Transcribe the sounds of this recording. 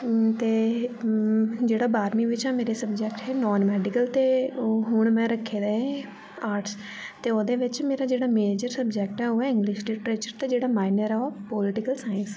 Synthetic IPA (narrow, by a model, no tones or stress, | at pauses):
t̪eː | d͡ʒeːɽaːbaːɾmiːʋɪt͡ʃɛ̃ːmeːɾeːsəbd͡ʒɛːkʈɛːnɔːnmɛːɖɪkəlt̪eːɦʊɳmɛ̃ːɾəkʰːeːd̪eːẽ | aːɾʈs | t̪eːoːd̪eːʋɪt͡ʃmeːɾaːd͡ʒeːɽaːmeːd͡ʒəɾsəbd͡ʒɛːk̚ʈɛːoːɛɪ̃ŋɡlɪʃɖɪʈɾeːt͡ʃəɾt̪eːd͡ʒeːɽaːmaːɪnəɾɛːoːpoːlɪʈɪkəlsaːəns